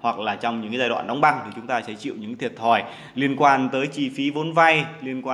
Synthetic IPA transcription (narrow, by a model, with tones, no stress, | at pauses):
hwa˨˩k̚laː˨˩t͡ɕɔ˧wŋ͡mɲɨ̰˧˥ŋka˨˦zaː˧jɗwa̰ː˧˨nɗa˨˦wŋ͡mɓa˧ŋt̪ʰi˨˩t͡ɕʊ˨˦ŋ͡mt̪aː˧sɛ̰˧˥t͡ɕḭ˧˨wɲɨ̰˧˥ŋt̪ʰi˨˩ət̚t̪ʰɔ˧˩j | li˧ənkwaː˧nt̪əː˨˦jt͡ɕi˧fi˨˦vo˨˦nva˧jli˧ənkwaː˧